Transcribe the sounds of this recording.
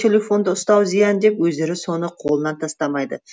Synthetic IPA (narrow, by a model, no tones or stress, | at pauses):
e̞lʲe̞fo̞nd̪əʊst̪ɑwzijɑnd̪e̞pwɵzd̪e̞ɾɪso̞nəqʰo̞lˠənɑnt̪ʰɑst̪ɑmɑjd̪ə